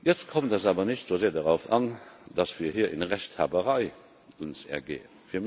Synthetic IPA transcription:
jɛt͡skʰɔmtəzaːbɐnəɕtz̥oːzeːɐdəʁaʊfɑnd̥ɑsv̥iːɐhɦiːɐʔinʁæɕtha̰ːbəʁɑɪ | ʊnsɛ̰ɐɡḛːənfiːɐm

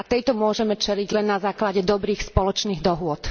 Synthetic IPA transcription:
at̪ɛjt̪ɔmʊɔʒɛmɛt͡ʃɛliɟlɛnːazaːklaɟɛd̪ɔbɾiːxspɔlɔt͡ʃniːɣd̪ɔɦʊɔt̪

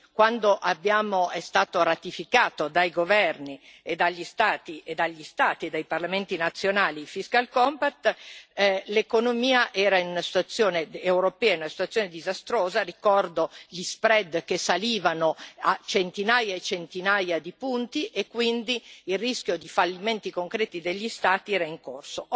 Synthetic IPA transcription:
kwand̪oʔabːjaːmoɛst̪aːt̪oɾat̪ifikaːt̪od̪ajɡovɛrnied̪aʎːist̪aːt̪iʔed̪aʎːist̪aːt̪ied̪ajparlament̪inat̪sːjonaːlifiskalkɔmpat̪ː | lekonomiːaʔɛːɾainunasi̥t̪wat̪sːjoːneewɾopɛːanunasi̥t̪wat̪sjoːned̪izast̪ɾoːzarikɔrd̪oʎispɾɛd̪kesaliːvanoat͡ʃent̪inaːjaet͡ʃent̪inaːjad̪ipunt̪iʔekːwind̪iːlrisk̟jod̪ifalːiment̪ikoŋkɾeːt̪id̪eʎːist̪aːt̪iɛːɾaiŋkorso

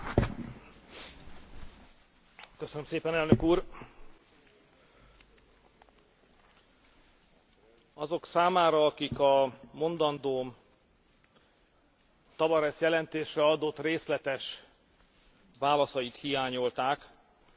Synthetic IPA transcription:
køsønømseːpɛnɛlnø̞kuːr | ɒzo̞ksaːmaːɾɒːkikɒmo̞nd̪ɒnd̪oːm | t̪ɒvɒɾɛʃjɛlɛnt̪eːʃrɛɒd̪ot̪ːreːslɛt̪ɛʃ | vaːlɒsɒjit̪hijaːɲo̞lt̪aːk

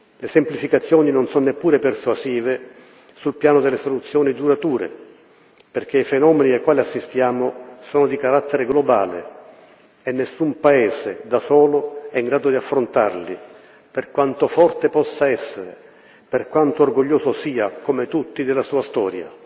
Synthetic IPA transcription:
lesemplifikat̪sːjɔːninonsɔnnepːuːɾepersuaziːve | sulpjaːnod̪elːesolut̪sːjɔːnid̪uɾat̪uːɾḛ | perk̟eifenɔːmenid̪ejkwaːliasːist̪jaːmosoːnod̪ikaɾat̪ʰːeɾeɡloba̰ːlḛ | enːesːumpaeːzed̪asɔːloɛiŋɡɾaːd̪od̪iafːɾont̪arli | perkwant̪ofɔrt̪epɔsːaɛsːeɾḛ | perkwant̪oːrɡoʎːoːzosiːakomet̪ut̪ːid̪elːasuːast̪ɔːɾja̰

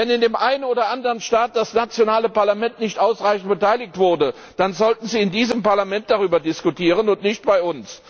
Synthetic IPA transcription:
vɛnɪndeːmʔaɪnənoːdɐʔandəʁənʃtaːt̚d̥asnat͡sjonaːləpaɐlamɛntnɪçtʔaʊsʁaɪçn̩t̚b̥ətʰaɪlɪk̚tv̥ʊɐdə | d̥anzɔltn̩ziːɪndiːzəmpaɐlamɛnt̚d̥aʁ̞yːbɐdɪskutʰiːʁ̞ənʊntnɪçtb̥aɪʊns

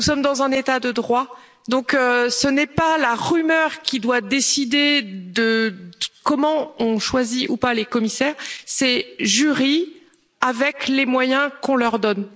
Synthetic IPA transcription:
usɔmd̪ɑ̃zɛ̃net̪ad̪əd̪ʁwa | d̪ɔ̃køsənɛpalaʁymœʁkʲid̪wad̪esid̪ed̪ə | kɔmɑ̃ɔ̃ʃwaziʔupalekɔmisɛːʁsɛʒyʁi | avɛklemwajɛ̃kɔ̃lœʁd̪ɔn

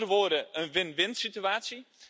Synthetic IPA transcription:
ərəʋoːdəənʋɪnʋɪntsityaːtsji

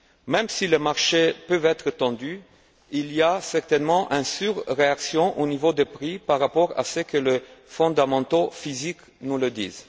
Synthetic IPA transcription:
mɛmsiləmaʁʃepøvɛt̪χət̪ɑ̃d̪y | iliasɛʁt̪ɛnmɑ̃ʔỹnsyʁʁeaksjɔ̃ʔonivod̪əpʁipaʁːapɔʁa̰səkələfɔ̃d̪amɑ̃t̪ofizik | nuləd̪ḭːz

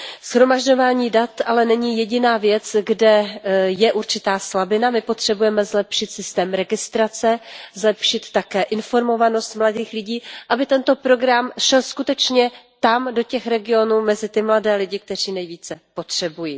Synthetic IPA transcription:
shɾo̞maʒɟo̞vaːɲiːdat̪ʔalɛnɛɲɪjɛɟɪnaːvjɛt͡sɡdɛjɛʔuɾt͡ʃɪt̪aːslabɪnamɪpo̞t̪r̝̥ɛbujɛmɛzlɛpʃɪt̪sɪst̪ɛːmɾɛɡɪst̪ɾat͡sɛzlɛpʃɪt̪ːakɛːʔɪnfo̞ɾmo̞vano̞st̪mladiːxlɪɟiːʔabɪt̪ɛnt̪o̞pɾo̞ɡɾamʃɛlskut̪ɛt͡ʃɲɛt̪amdo̞cɛxɾɛɡɪo̞nuːmɛzɪt̪ɪmladɛːlɪɟɪk̚t̪ɛr̝iːnɛjviːt͡sɛpo̞t̪r̝̥ɛbujiː

